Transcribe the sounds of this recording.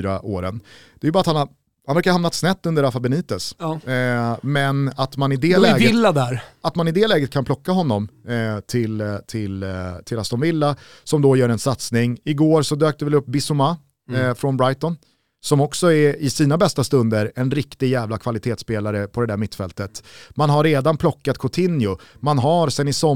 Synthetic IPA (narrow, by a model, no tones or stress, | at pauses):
ɾaʔoːɾənd̪̥ɛːjʏbɑːat̪han | hanvɾɛɾkaɾhamnat̪snɛt̪ːɵnd̪əɾafabɛniːt̪əs | mɛnat̪manɪd̪ɛlɛːɡəɪlːad̪æɾat̪manɪd̪ɛlɛːɡət̪̚kʰanpʰlɔkːaɦɔnːɔmt̪ʰɪlt̪ʰɪlt̪ʰɪlast̪ɔnvɪlːa | sɔmd̪ɔjœːɾɛnsat̪snɪŋɪɡoːɾsɔd̪øːk̚t̪əvɪlɵpːbɪsʊma | fɾɔnbɾajt̪ɔn | sɔmɔksɔɛɪsiːnabɛst̪ast̪ɵnd̪əɾɛnɾɪkt̪ɪɡjɛːvlakʰvalɪt̪ʰeːt̪speːlaɾəpʰɔd̪ɛd̪æɾmɪt̪ːfɛlt̪ət̪manɦaɾeːd̪anpʰlɔkːat̪kʰʊt̪ʰɪnjʊmanɦaɾsɛnɪsɔ